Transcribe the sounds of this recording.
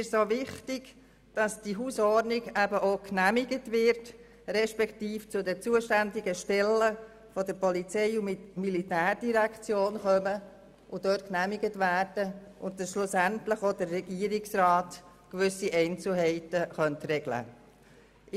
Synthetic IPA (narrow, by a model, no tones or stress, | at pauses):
ɪʃsoːvɪχtɪɡ̥ | d̥ɑsd̥iɦuːsɔɾnɪɡæbəʔoːknæmɪɡətʋɪɾt | ɾɛʃpɛktiːft͡sʊdɛt͡suːəʃtændɪɡəʃtɛlːə | fɔdəɾpɔlit͡sɛɪʊmilitæːɾd̥iɾækt͡sjoːnχœmə | ʔʊdøtknæmiɡətvæːɾd̥əʔʊntdɑsʃlʊsæntləχoːdərːɛɡ̥iəɾɪksrɑːt | kʋʏsiʔɛɪnt͡sl̩ɦɛɪtəχœntrɛɡlə̰